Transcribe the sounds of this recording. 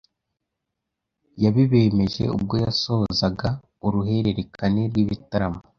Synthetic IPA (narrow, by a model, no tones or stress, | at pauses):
jaβiβe̞me̞ʒe̞̰ṵb̚ɡo̞jaso̞ozaɡa | uɾuɦe̞ɾe̞ɾe̞kʰane̞ɾɡwiβitaɾamo